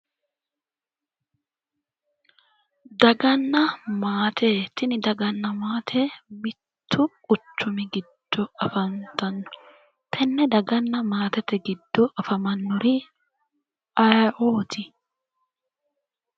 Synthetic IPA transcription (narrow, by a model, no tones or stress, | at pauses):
d̪ɐɡɐnːɐmaːt̪ʰɛt̪ɪnɪd̪ɐɡɐnːɐmaːt̪ʰɛmɪt̪ʰːʊkʼʊt͡ʃːʊmɪɡɪd̪̥ːɔɐfɐnt̪ɐnːɔ̥ | t̪ʰɛnːɛd̪ɐɡɐnːɐmaːt̪ɛt̪ɛɡɪd̪ːɔʔɐfɐmɐnːɔɾɪ | ʔɐjʔoːt̪ʰɪ